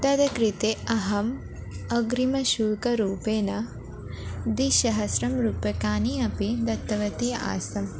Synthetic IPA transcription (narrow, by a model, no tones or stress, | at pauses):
d̪ɐd̪ɐkɾit̪eɐɦɐm | ɐɡɾimɐʃuːlkɐɾuːpeːnɐ | d̪iʃɐɦɐsɾɐmɾuːpɐkaːniɐpid̪ɐt̪ːɐʋɐt̪ia̰ːsɐm